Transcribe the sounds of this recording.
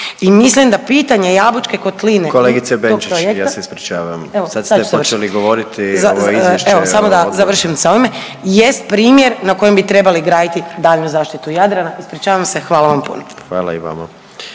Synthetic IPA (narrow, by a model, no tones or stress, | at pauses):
imislimd̪apiːt̪aɲe̞jabut͡ʃke̞ko̞t̪linekoleːɡit̪sebeont͡ʃiekjaːaseispɾit͡ʃaːʋameosad̪saeu̥ot͡ʃeliɡoʋoɾit̪izaeʃeosamod̪azaʋr̩ʃimsaoime | jest̪̚pɾiːmjeɾnakoje̞mbit̪ɾe̞baliɡɾaːd̪it̪id̪aːʎnuzaːʃt̪it̪ujad̪ɾanaispɾit͡ʃaːʋamse̞xʋaːlaʋampṵnoxʋaːla̰iʋa̰ma̰